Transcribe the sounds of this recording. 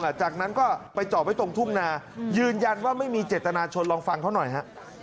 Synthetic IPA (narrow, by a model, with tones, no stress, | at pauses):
ŋʔa˨˩t͡ɕaː˨˩k̚na˦˥nkɔː˥˩pa˧jt͡ɕɔː˨˩p̚ha˥˩t̪o˧ŋt̪ʰu˥˩mnaː˧jɯː˧nja˧nwaː˥˩ma˥˩jmiː˧t͡ɕeː˨˩t̪ːa˧naː˧t͡ɕʰo˧nlɔː˧ŋfa˧ŋkʰa˥˩nɔ˨˩jɦa˦˥